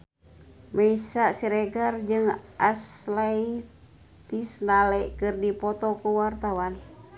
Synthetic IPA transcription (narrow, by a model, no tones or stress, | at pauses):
mɛisasiɾɛɡard͡ʒɨŋaslai | t̪isnalɛʔkɨrdipɔt̪ɔkuwart̪awan